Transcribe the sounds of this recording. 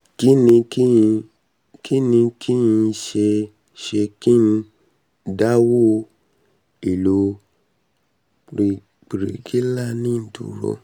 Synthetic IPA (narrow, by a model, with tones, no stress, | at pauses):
ki˦nĩ˧ki˦i˧ | kʰi˦nĩ˧kʰi˦jĩ˧ʃe˧ | ʃe˧ki˦n̩˧ | da˦wo˦˧ | i˨lo˧ | ɾi˧ | k͡pi˨ɾḛ˨ɡi˦la˦˨nĩ˦n̩˨tṵ˨ɾɔ̰˧˨